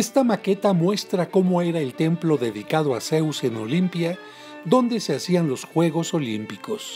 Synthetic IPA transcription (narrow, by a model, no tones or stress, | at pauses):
est̪amake̞t̪amwe̞st̪ɾako̞mo̞e̞ɾae̞lt̪e̞mplo̞ðe̞ðikað̞oase̞wseno̞̰limpja | ðo̞nd̪e̞se̞asianlo̞sxwe̞ɣo̞so̞limpiko̞s